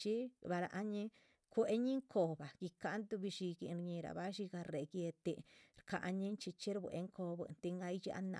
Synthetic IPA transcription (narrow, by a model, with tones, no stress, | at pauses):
t͡ʃi˦ba˧ɾa̰˧ʔa˦ɲĩ˦ | kʷe˦ɲi˦ŋkʰo˧ba˨ki˧ka˧˦nt̪u˧bi˧ʃi˧ɡi˧nɾɲĩ˧ɾa̰˨ba˦ʃi˧ɡa˧ɾe˨ɡje˧t̪e˧ɾka˧ʔɲĩ˦nt͡ʃi˧t͡ʃi˦ɾbʷwḛ˧ŋkʰo˧bʷḛ˧˨nt̪i˧ŋɡa˧i˦t͡ʃa̰˧˦na̰